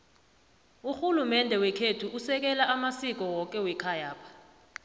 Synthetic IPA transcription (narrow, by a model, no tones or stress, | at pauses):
uxulumɛndʱɛwɛkʰetʰuʔusɛk̬ɛlaʔamasik̬ɔwɔk̬ʼɛwɛkʰajaːpʰḁ